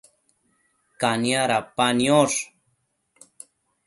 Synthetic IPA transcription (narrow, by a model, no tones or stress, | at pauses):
kanjaɾapanjoʂ